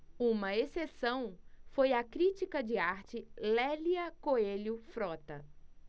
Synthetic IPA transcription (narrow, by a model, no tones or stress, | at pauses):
ũmɐesesɐ̃w̃fojɐkɾit͡ʃikɐd͡ʒɪaɾt͡ʃɪlɛliɐkoelʊfɾɔt̪ɐ